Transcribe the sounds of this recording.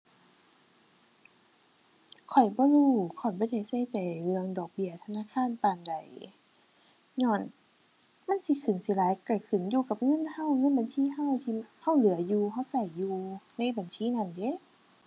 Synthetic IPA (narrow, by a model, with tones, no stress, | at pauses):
kʰɔ˨˩jbɔː˧˦luː˧˩kʰɔ˧˨˩jbɔː˧˦da˧˩jsa˧˩jt͡ɕa˨˩jlɯ˧əŋdɔː˨˩k̚bi˧˥˨ɐt̪ʰa˧naː˧˥˨kʰaː˧˥˨npaː˧˩˨nda˨˩j | ɲɔː˧˩˨n | ma˧˥˨nsi˧˦kʰɯ˨˩nsi˧˦laː˨˦jka˧˩kʰɯ˨˩njuː˧ka˧˦p̚ŋɤ˧˥˨nha˧˩˨wŋɤ˧˥˨nba˨nsiː˧˥˨ɦa˧˥˨wt̪ʰi˧ha˧˥˨wlɯ˨˦ɐ˦juː˧ɦa˧˥˨wsa˧˩jːuː˧na˧˥˨jba˨˩nsiː˧˨na˧˥˩nde˧˦˨